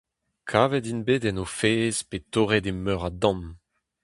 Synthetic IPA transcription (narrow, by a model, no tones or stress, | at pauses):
kʰaːvɛdinbeːdɛnofeːzpetoʁedemœʁadɔ̃m